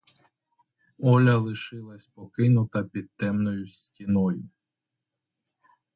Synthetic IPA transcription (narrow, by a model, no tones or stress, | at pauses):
ɔlʲɐlˠɪʃɪlˠɐsʲpɔkɪnʊt̪ɐpʲid̪̚t̪ːɛmnɔjʊsʲtʲinɔjʊ